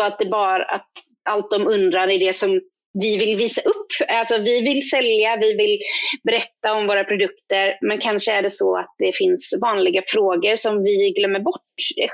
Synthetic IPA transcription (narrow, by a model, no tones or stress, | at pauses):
ɔat̪̚d̪ɛbɑːɾaʔa̰t̪ | alt̪̚d̪ɔmɵnd̪ɾaɾæɖɛsɔm | vɪvɪlːviːsaʔɵpːalsɔvɪvɪlsɛljjavɪvɪlbɛɾɛt̪ːaɔmvoːɾapʰɾʊd̪ɵkt̪əɾmɛnkʰanʂəæɖɛsɔa̰t̪̚d̪ɛfɪnsvɑːnlɪɡafɾoːɡəɾsɔmvɪɡlœmːəɾbɔʈːd̪ɛ